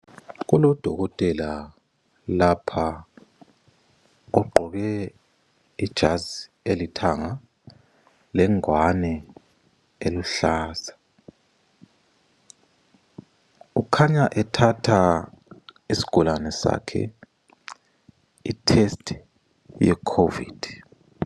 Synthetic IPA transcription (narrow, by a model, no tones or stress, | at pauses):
ɣulɔd̥ʱɔɣɔtʼɛla | lapʰa | ɔɡ͡ǃʱɔɣɛ | id̥ʒ̥ʱazi | elitʰaŋa | lɛŋwanɛ | eluɬaːzḁ | ukʰaɲaʔɛtʰatʰa | isi̥ɡ̥ʱɔlanɛsa̰kʰɛ̰ | itʰestʰʼ | jɛkʰovḭːd̥ʱ